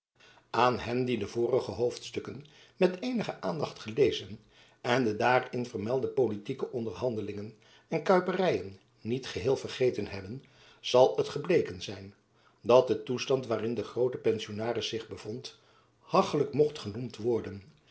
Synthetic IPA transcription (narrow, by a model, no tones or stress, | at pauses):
ʔaːnɦɛndidəvʊːrəχəɦowftstɵkən | mɛtejnəχəʔaːndɑχtχəlejzən | ɛndədaːrɪnvəɹmɛlˠdəpolitikəʔɔndəɹɦɑndəlɪŋən | ɛnkœɥpərɛjənː | itχəɦɪːlˠvərχejtənɦɛbən | z̥ɑlˠətχəblejkənzɛjn | dɑt̚dətustɑntʋaːrɪndəχrowtəpɛnsionaːrɪsɪχbəv̥ɔnt | hɑχələkmɔχtχənumtʋɔɹdən